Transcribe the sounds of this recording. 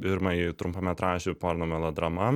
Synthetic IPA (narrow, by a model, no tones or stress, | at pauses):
pʲɪɾmɐit̪ɾʊmpɐmʲɛt̪ɾɑːʃʲɪpoːɾnoːmʲɛlˠod̪ɾɐmɐ